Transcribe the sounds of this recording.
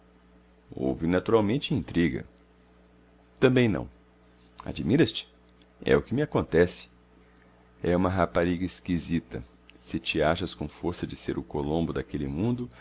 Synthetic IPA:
o̰wvɪnat̪uɾawmẽnt͡ʃɪĩnt̪ɾiɡɐ̰ | t̪ɐ̃mbẽj̃nɐ̰̃w̃ | a̰d͡ʒimiɾɐst͡ʃɪ̥ | ɛ̰ʊkɪmɪakõnt̪ɛsɪ̥ | ɛũmɐɦapaɾiɡɐɪskizit̪ɐ̰ | sɪt͡ʃɪaʃɐskõfoɾsɐd͡ʒɪseɾʊkolõmbʊd̪akelɪmũnd̪ʊ

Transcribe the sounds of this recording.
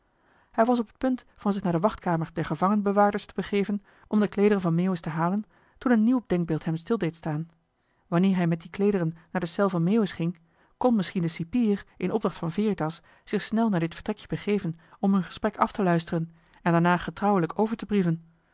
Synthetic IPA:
hɛjʋɑs̬ɔpət̚pɵnt | fɑnzɪχnaːɹdəʋɑχtkaːməɹdɛɹχəvɑŋənbəʋaːɹdəɹstəbəχeːvən | ʔɔmdəklejdərənvɑnmeːwəstəɦaːlən | tunənːiwd̥ɛŋɡ̚bɪːlˠtɦɛmstɪlˠdejtstaːn | ʋɑnɪːɹɦɛjmɛt̚diklejdərənːaːɹdəsɛlˠvɑnmeːwəsχɪŋ | kɔnmɪsχindəsipiːrʔɪnʔɔb̚dɑχtfɑnveːritɑs | z̥ɪχsnɛlˠnaːɹdɪtfə̥ɹtrɛkjəbəχejvənɔmɦɵnχə̥sprɛkɑftəlœɥstərən | ɛndaːɹnaːχətrɑwələkʰowvəɹtəbrivən

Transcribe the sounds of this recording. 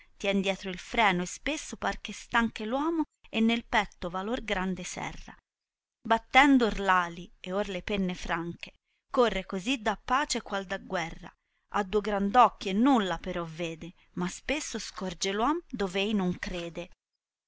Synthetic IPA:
t̪jɛnd̪jɛːt̪ɾoilfɾɛːnoespesːopark̟est̪aŋkelwɔːmo | enːelpɛt̪ːovalorɡɾand̪esɛ̰rːa̰ | bat̪ːɛnd̪orlaːlieorlepɛnːefɾaŋke̥ | korːekozid̪apːaːt͡ʃekwald̪aɡːwɛrːa̰ | ʔa̰d̪ːuoɡɾand̪ɔkːjenːulːapeɾɔvːeːd̪e | maspesːoskɔrd͡ʒelwɔmd̪oːveejnoŋkɾeːd̪e

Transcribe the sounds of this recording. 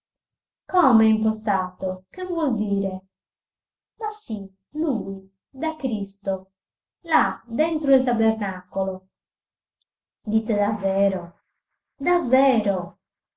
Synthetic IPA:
kɔmɛiŋkost̪aːt̪okevwɔld̪iːɾe | masi | luj | d̪akɾist̪o | lad̪ɛnt̪ɾoilt̪abernakolo | d̪it̪ːed̪avːɛːɾo | d̪avːɛːɾo

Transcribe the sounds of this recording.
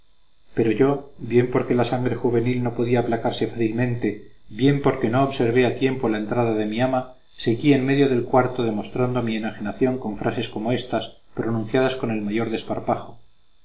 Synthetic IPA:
pe̞ɾo̞ʝo̞bje̞mpo̞ɾke̞lasaŋɡɾe̞xuβe̞nilno̞po̞ðiaːplakaɾse̞faθilmẽ̞nt̪e̞bje̞mpo̞ɾke̞no̞ːβse̞ɾβ̞eat̪je̞mpo̞laent̪ɾaðaðe̞miama | se̞ɣie̞nme̞ðjo̞ðe̞lkwaɾt̪o̞ðe̞mo̞st̪ɾand̪omiemaxenaθjo̞ŋko̞ɱfɾʔase̞sko̞mo̞e̞st̪as | pɾo̞nũn̟θjað̞asko̞ne̞lmaʝo̞ɾðe̞spaɾpaxo̞

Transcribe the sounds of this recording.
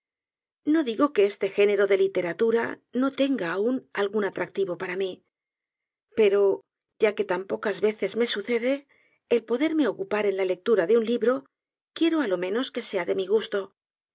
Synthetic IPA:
no̞ðiɣo̞ke̞est̪e̞xe̞ne̞ɾo̞ðe̞lit̪e̞ɾat̪uɾa̰no̞t̪e̞ŋɡaːunalɣunat̪ɾak̚t̪iβo̞paɾami | pe̞ɾo̞ | ʝake̞t̪ampo̞kazβe̞θe̞zme̞suθe̞ðe̞ː | lpo̞ðe̞ɾme̞o̞kupaɾe̞nlale̞k̚t̪uɾaðeunliβɾo̞ | kje̞ɾoalo̞mẽ̞no̞ske̞seaðe̞miɣ̞ust̪o̞

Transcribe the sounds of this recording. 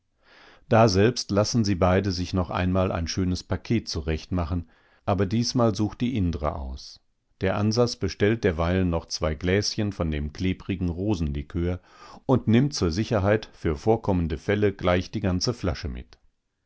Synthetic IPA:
d̥aːzɛlpstlasn̩ziːbaɪdəzɪçnɔχʔa̰ɪnmaːlʔa̰ɪnʃøːnəspakʰeːtt͡suʁɛçtmaχn̩ | ʔaːbɐdiːsmaːlzuːxt̚d̥iːʔɪndəʁə̰ʔa̰ʊs | d̥eːɐʔanzat͡sb̥əʃtɛlt̚d̥eːɐvaɪlənːɔχt͡sv̥aɪɡlɛːsçənfɔndeːmkl̥eːbʁɪɡŋ̩ʁoːzn̩likʰøːɐ | ʊntnɪmtt͡suːɐzɪçɐɦaɪtfyːɐfoːɐkʰɔməndəfɛləɡ̥laɪçd̥iːɡant͡səfla̰ʃəmɪ̰t

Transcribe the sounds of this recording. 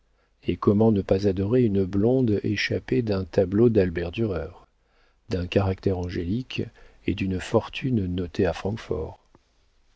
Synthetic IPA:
ekɔmɑ̃nəpazad̪ɔʁeynəblɔ̃d̪ḛʃaped̪ɛ̃t̪ablod̪albɛʁd̪yʁœːʁ | d̪ɛ̃kaʁakt̪ɛʁɑ̃ʒelik | ed̪ynfɔʁt̪ʰynnɔt̪eafχɑ̃kfɔ̰ʁ

